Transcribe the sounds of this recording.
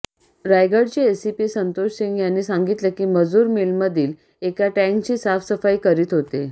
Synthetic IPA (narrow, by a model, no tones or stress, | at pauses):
ɾajɡəɽt͡ɕiesipisənt̪oɕsiŋɡjanːiːsãŋɡit̪lekiːməd͡zuːɾmilməd̪ʱiːl | ekaʈɛ̃ŋkt͡ɕiːsafsəfajkəɾiːt̪ɦot̪e